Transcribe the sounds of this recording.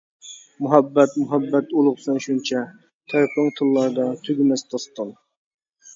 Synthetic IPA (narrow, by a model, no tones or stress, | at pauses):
muɦɛbːɛt̪mʊɦɛbːɛt̪ulˠʊqsɛnʃunt͡ʃʰɛ | t̪ʰæɾpəŋt̪ʰɨlˠːɑɾd̪ɑt̪ʰyɡʲɪmɛst̪ʰɑst̪ən